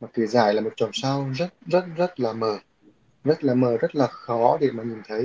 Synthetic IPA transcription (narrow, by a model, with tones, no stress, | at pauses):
maː˨˩ke˨˦zaː˧˩jlaː˨˩mo˨˩t̚t͡ɕɔ˨˩wŋ͡msa˧wzə˦˥t̚zə˦˥t̚zə˦˥t̚laː˨˩məː˨˩ | zə˦˥t̚laː˨˩məː˨˩zə˦˥t̚laː˨˩xɔ˨˦ɗe˧˩maː˨˩ɲi˨˩nt̪ʰə˨˦j